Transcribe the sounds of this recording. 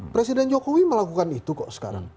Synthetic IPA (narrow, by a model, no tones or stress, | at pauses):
pɾesidɛnd͡ʒokowiməlakukanit̪ukɔʔsə̥ka̰ɾa̰ŋ